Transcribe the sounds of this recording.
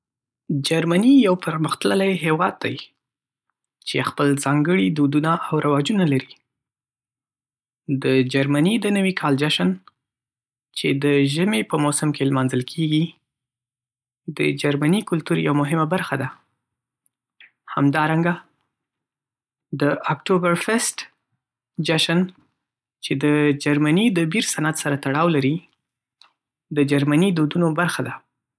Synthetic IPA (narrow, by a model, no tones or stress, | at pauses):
d͡ʒaɾmanijawpəɾməxt̪ləlajɦewɑd̪̚ːaj | t͡ʃexpəlzɑŋɡəɽid̪od̪unaʔawɾawɑd͡ʒunalaɾi | d̪əd͡ʒaɾmanid̪ənəwikʰɑld͡ʒaʃən | t͡ʃed̪əʒəmepəmosəmkʰelmɑnzəlkʰeɡi | d̪əd͡ʒaɾmanikʊlt̪uɾja̰wamʊɦɪmabaɾxad̪a | ha̰md̪ɑɾaŋɡa | d̪əakʈobaɾfɪsʈ | d͡ʒaʃan | t͡ʃed̪əd͡ʒaɾmanid̪əbiɾsanat̪saɾat̪aɽɑwlaɾi | d̪əd͡ʒaɾmanid̪od̪unobaɾxad̪a